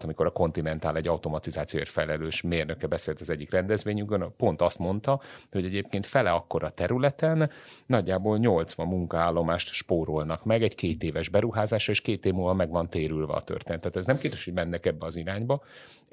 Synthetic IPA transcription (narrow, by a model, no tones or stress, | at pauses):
t̪ɒmiko̞ɾɒko̞nt̪inɛnt̪aːlɛɟːɒwt̪o̞mɒt̪izaːt̪sijoḛʃfɛlɛløːʃmeːrnøkɛbɛseːlt̪ɒzɛɟːikrɛnd̪ɛzʋeːɲyɡbønpo̞nt̪ɒst̪mo̞nt̪ɒho̞ɟɛɟeːp̚keːnt̪fɛlɛɒkːo̞ɾʔɒt̪ɛɾylɛt̪ɛnːɒɟːaːboːlɲo̞lt̪sʋɒmːuŋkɒaːlːo̞maːʃt̪ʃpoːɾo̞lnɒkmɛɡɛɟkeːt̪eːvɛʒbɛɾuɦaːzaːʃɒeːʃkeːt̪eːvmulvɒmɛɡvɒnt̪eːɾylvɛ̰ɒ̰t̪ø̰rt̪eːnɛt̪ːaːt̪ɛznɛmkeːɾɛʃho̞ɟmɛnːɛkɛbːɛɒziɾaːɲbɒ